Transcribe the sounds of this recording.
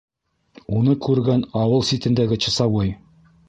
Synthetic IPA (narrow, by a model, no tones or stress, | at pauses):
unɤkʉɾɡænɑwɤlˠsit̪ɘ̆nd̪æɡɘt͡ɕɤ̆sɑwɤj